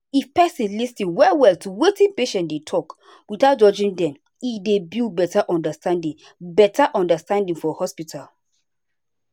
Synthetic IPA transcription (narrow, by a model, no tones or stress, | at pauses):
ifpɛsĩnlistĩnwɛwɛltuwetĩnpeʃɛ̃ndetʰɔk | wiθat̚d͡ʒɔd͡ʒĩndɛ̃m | idebibɛtaʔɔ̃ndastãndĩŋ | bɛtaʔɔ̃ndastãndĩŋfɔhɔspitʰal